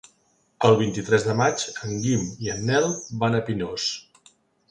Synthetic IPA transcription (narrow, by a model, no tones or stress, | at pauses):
əlˠβ̞int̪it̪ɾɛzðəmad͡ʒəŋɡimiənːɛlˠbanəpinos